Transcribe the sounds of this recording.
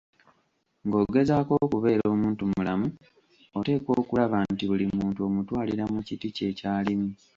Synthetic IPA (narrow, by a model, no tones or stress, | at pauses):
ŋɡo̞ːɡe̞zaːko̞kuβe̞ːɾo̞ːmuːntumulamu | ote̞ːko̞ːkulaβantiβulimuːntuo̞mutwaːliɾamucitice̞caːlimu